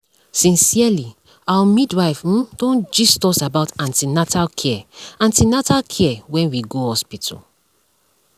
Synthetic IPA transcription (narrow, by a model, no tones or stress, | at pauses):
sĩnsiali | awamidwaɪfũdɔ̃nd͡ʒistɔsabaʊtãntinatʰalkʰɛɛãntinatalkʰɛɛwɛ̃nwiɡohɔspitʰṵ